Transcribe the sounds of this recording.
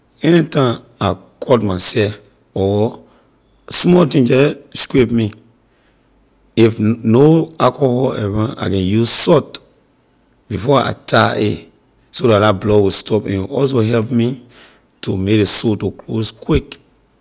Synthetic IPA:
ɛnitãm | a | kʰɔtmasɛf | ɔ | smɔtĩŋd͡ʒɛskwepmi | ifnoakohɔlɛvãa̰kɛ̃njuzsɔt | bifɔa̰tʰaʔḛ | sodatdat̚blɔwistʰɔpɛ̰̃nɔls̬oɦɛlpmi | tʰumek̚esotokloskwik

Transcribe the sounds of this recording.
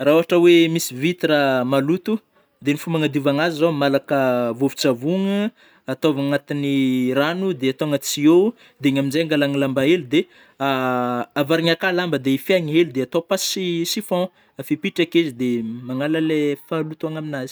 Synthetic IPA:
raoɦaʈ͡ʂəwemisivit̪iɾamalut̪u | d̪enifumaŋad̪ivaŋazizomalakəvovit͡savuŋə | at̪ovaŋat̪iniranud̪eat̪oŋət͡sie | d̪eɲaminzejŋɡalaŋilambaelud̪e | aavaɾiɲakalambəd̪eifjaɲiɦelid̪eat̪opassisifɔ̃ | afipiʈ͡ʂakezid̪emaŋalalefalut̪aŋaminazi̥

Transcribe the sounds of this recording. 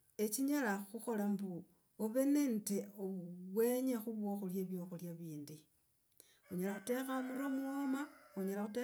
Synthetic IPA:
e̞t͡ʃiɲalaxuxo̞lambu | oβe̞nenteoβwe̞ɲexuβwo̞ːxoljeβjo̞xoljaβiːndi | oɲalaxute̞xamuɾomuomaoɲalaxute

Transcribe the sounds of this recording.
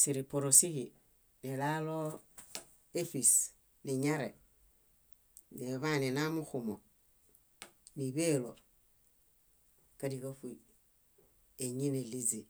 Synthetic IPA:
siɾipoɾosihi | nilalo | efis | niɲaɾḛ | neβanenamuxumo | niβeloɾ | kadikafui | eɲinelizi

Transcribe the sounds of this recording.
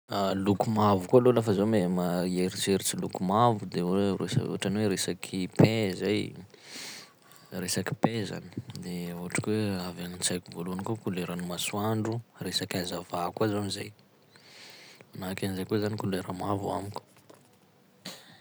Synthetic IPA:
alukumavukualolafəzamemaeɾit͡seɾit͡silukumavud̪erḛsṵaʈ͡ʂanweɾesakʰipezaj | resaki̥peza̰ni̥d̪euɦaʈ͡ʂḁkweavanit͡sajkʲuvolunkukuleɾanimasuaɳɖ͡ʐuresakʲazavakazonizaj | manakanizajkozanikuleɾamavua̰mikʲu̥

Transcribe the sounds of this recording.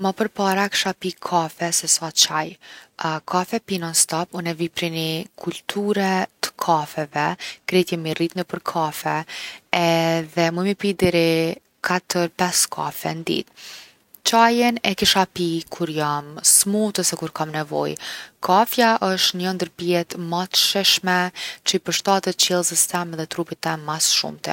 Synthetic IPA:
mapəɾpaɾaki̥ʃapikʰafɛsɛsat͡ʃaj | kʰafɛpinɔnst̪apunɛvipɾinikʰult̪ʰuɾɛt̪ə̥kʰafɛvɛkɾɛt̪jɛmirit̪nəpəɾkʰafɛɛðɛmumipid̪ɛɾɛ | kʰat̪əɾpɛskʰa̰fɛ̰nd̪ḭt̪̚ | t͡ʃajɛnɛkiʃapikʰuɾjamsmut̪əsɛkuɾkamnɛvɔ̰jkʰafjaʔəʃt̪ɲənd̪əɾpiɛt̪mat̪əʃɛʃmɛt͡ʃəpəɾʃt̪at̪ət̪̚t͡ʃɛlˠsist̪ɛmðɛt̪ɾupit̪ːɛmmasʃṵmt̪ɛ̰

